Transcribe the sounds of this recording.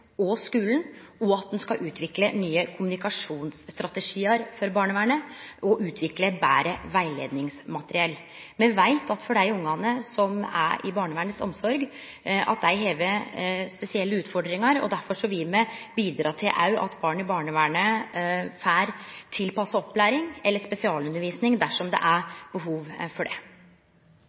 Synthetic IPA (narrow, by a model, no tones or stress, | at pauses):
ɔskʉːlnɔɑt̪̚d̪ɛnskɑʔʉːt̪ʰʋɪklənyːəkʰʊmʉnɪkɑʂuːnsst̪ɾɑt̪əʂiːəɾfɔɾbɑːɳəʋæːɳəʔɔʔʉːt̪ʰʋɪkləbæ̰ːɾəʋæɪlḛːd̪nɪŋsmɑt̪əɾɪɛlː | mɛʋæɪt̪ʰɑt̪fɔɖæɪʊŋːɑnəsɔmæ̰ɪ̰bɑːɳəʋæːɳəsɔ̰msɔɾɡ | ɑ̰t̪̚d̪æɪɦeːʋəɾspɛsɪɛlːəʉːt̪fɔɖɾɪŋɑɾɔ̰d̪æɾfɔʂɔʋɪmɛbiːd̪ɾɑːt̪ʰɪlʔɑ̰ʉʔɑ̰t̪bɑːɳəɪbɑːɳəʋæːɳə | fæːɾt̪ʰɪlpɑsəɔpːlæːɾɪŋɛlːəspɛsɪɑːlʉnəɾʋiːsnɪŋd̪æʂɔmd̪ɛ̰ʔæɾb̥əɦuːʋfɔɖɛ̰